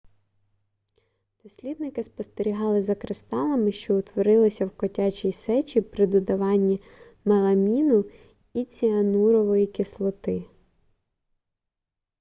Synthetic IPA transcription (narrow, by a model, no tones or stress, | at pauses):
d̪̥ɔsʲlʲid̪nɪkɪspɔst̪eɾʲiɦɑlˠɪzɐkɾɪst̪ɑlˠɐmɪʃt͡ʃɔʊt̪ʋɔɾɪlˠɪsʲɐwkɔtʲat͡ʃʲijsɛt͡ʃipɾɪd̪ɔd̪ɐʋɑnʲːi | mɐlˠɐmʲinʊ | it͡sʲiɐnuɾɔʋɔjikʲɪslˠɔt̪ɪ